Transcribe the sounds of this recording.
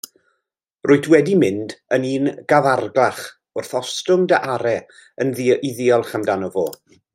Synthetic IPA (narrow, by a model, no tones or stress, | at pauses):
rʊɨtʰwɛdimɪndəniːnɡ̥avarɡlaχ | ʊrθɔstʊmdəʔaɾɛ | ənðiðɪɔlˠχamdanɔvoː